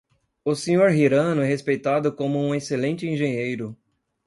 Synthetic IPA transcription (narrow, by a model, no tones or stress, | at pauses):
ʊsẽɲoɾɦiɾɐ̃nʊɛɦespejt̪ad̪ʊkõmʊũeselẽnt͡ʃɪĩʒẽɲejɾʊ